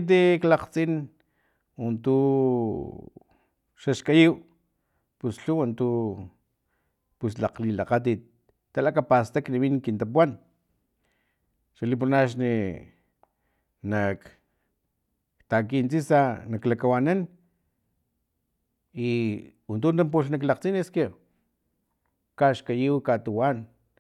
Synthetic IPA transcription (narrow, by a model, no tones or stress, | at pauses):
t̪̬iklaqt͡sin | want̪u | ʃaʃkajiw | pusɬuwant̪u | puslaqlilaqat̪̬it̪̚ː | alakapast̪akniβinkint̪ap̬uan | ʃalip̬uɾnaʃ̬ni | nak | t̪akint͡sisanaklakawanan | iwant̪unt̪amp̬uɬnaklaqt͡sineske | kaʃkajiwkat̪uwan